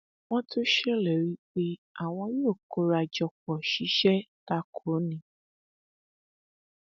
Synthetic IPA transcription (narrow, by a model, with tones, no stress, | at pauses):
w̃ɔ̃˦tʰo˦ʃe˦lɛ˨ɾi˦k͡pe˦a˨w̃ɔ̃˧˦jo˦˨ko˧˦ɾa˧˨d͡ʒɔ˧k͡pɔ˨ʃi˨˦ʃɛ˦ta˦kʰo˨˦nĩ˨˦